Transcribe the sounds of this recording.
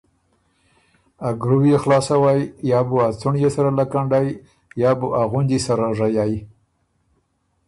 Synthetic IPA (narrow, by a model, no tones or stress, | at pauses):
aɡɾuwjexlɑsawajjɑbuat͡suɳjesaɾalakaɳɖaj | jɑbuʔaɣʊnd̪isaɾaʐajɑj